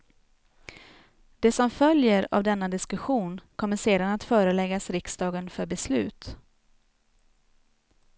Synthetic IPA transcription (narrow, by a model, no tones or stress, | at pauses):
d̪̥ɛsɔmfœljəɾa̰vd̪ɛnːad̪ɪskɵɧuːnkʰɔmːəʂeːd̪anat̪fœːɾəlɛɡasɾɪksd̪ɑːɡənfœɾbɛslʉ̟̰ːt̪